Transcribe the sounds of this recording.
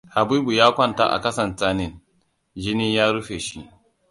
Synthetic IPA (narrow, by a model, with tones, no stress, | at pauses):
ha˨biː˦bu˨jaː˦kʷɐ˦nta̰ː˦ʔa̰˨kɐ˦sɐ˨ntaː˦nɪ˦˨n | d͡ʒɪ˦niː˦jaː˦ɾu˦ɸeː˨ʃi˦ʔ